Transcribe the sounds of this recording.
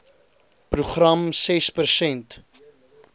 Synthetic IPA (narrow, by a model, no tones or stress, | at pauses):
pruχrɐmsɛspərsɛnt